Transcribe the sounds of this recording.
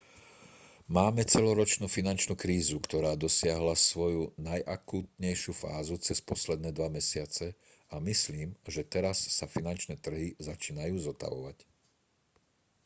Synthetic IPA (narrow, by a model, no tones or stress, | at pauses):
maːmɛt͡sɛlɔɾɔt͡ʃnufinant͡ʃnuːkɾiːzukt̪ɔɾaːd̪ɔsɪaɦlasʋɔjunajʔakuːt̪ɲɛjʃɪufa̰ːzut͡sɛspɔslɛd̪nɛːd̪ʋamɛsɪat͡sɛ | amisliːmʒɛt̪ɛɾasːafinant͡ʃnɛːt̪r̩ɦizat͡ʃiːnajuːzɔt̪a̰ʋɔ̰ʋac